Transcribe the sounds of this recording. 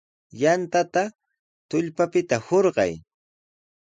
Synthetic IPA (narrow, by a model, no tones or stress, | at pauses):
jant̪at̪a | t̪ʊʎpapɪt̪ahoɾɢɑ̰j